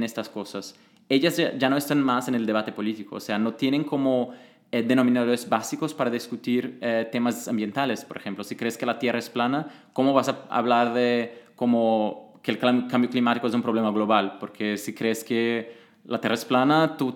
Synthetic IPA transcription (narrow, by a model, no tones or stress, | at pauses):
nest̪askosas | eʎazaʒanoest̪anmaseneld̪eβat̪epolit̪ikoo̰seanot̪jeneŋkomo | ɛd̪enomĩnaðoɾezbasikospaɾaðiskut̪iɾɛt̪emazambjent̪alespoɾḛxemplosi̥kɾeskelat̪jeraesplana | komoβasaa̰βlaɾðekomokelkkãmbjoklimat̪ikoes̬ũmpɾoβ̞lemaɣloβalpoɾkʰesikɾeske | lat̪jeraesplanat̪u